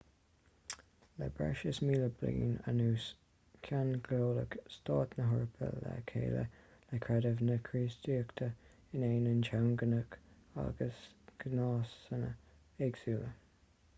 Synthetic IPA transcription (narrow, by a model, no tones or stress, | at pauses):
lɛ̰bɹɛ̰ʃəsmiːləblḭːnə̰nuːs | kʰanɡloːləkst̪ɑːt̪nəɦʊɹpʰə̰lːɛkʰḛːlə̰lɛkʰɹɛdəvnəkʰɹiːsdiːkt̪ʰə | ɪneːnənt͡ʃʰawnɡənək | a̰ɡəsɡ̥nɑːsənə | eɡsuːlə